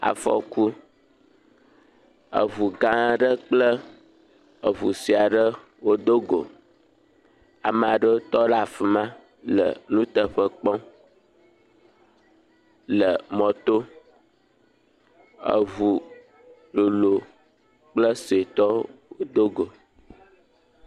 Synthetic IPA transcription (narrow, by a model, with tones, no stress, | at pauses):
a̰˨fɔ̰˦ku˦ | ə̰˨vu˨ɡã˦ɖə˦k͡plə˦ | ə˨βu˨si˨a˨ɖə˦ | wo˦d̪o˦ɡo̰˨ | a˨mə˨a˨ɖə˦o˦t̪ɔ˦la˦˨fi˨mã˦ | lə̰˨nũ˦t̪ə˨ɸə˦k͡pɔ̃˦ | lə˨mɔ̃˨t̪o˦ | ə̰˨vu˨ | lo˨lo˨ | k͡plə˦se˨t̪ɔ˦wo˦d̪o˦ɡo˨